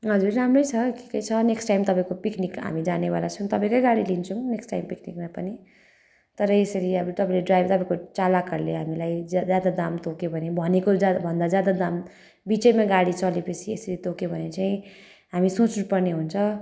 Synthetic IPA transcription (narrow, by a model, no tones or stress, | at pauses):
ɦʌd͡zurːamrʌjt͡sʰʌki̥kʌjt͡sʰʌneksʈajmt̪ʌpãĩkopiknikɦa̰mid͡zanebalat͡sʰʌñt̪ʌpãĩkojɡaɽilint͡sʰuneksʈajmpiknikmapʌni | t̪ʌɾʌesʌɾiʌbut̪ʌpãĩleɖrajbt̪ʌpãĩkot͡salakʌɾleɦamilajd͡zjad̪ad̪amt̪okebʱʌnebʱʌnekod͡zbʱʌnd̪ad͡zjad̪ad̪am | bit͡sʌjmaɡaɽit͡sʰʌlipʌt͡sʰiesʌɾit̪okeobʱʌnet͡saĩ | ɦamisot͡snupʌrneɦunt͡sʰʌ